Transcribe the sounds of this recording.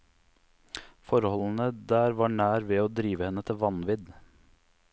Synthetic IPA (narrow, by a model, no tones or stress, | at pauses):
fɔɾəhɔlən̩əd̪æːɾʋɑːɳæːɾʋeːoːd̪ɾiːʋəhɛnːət̪ʰɪlʋɑnʋɪd̪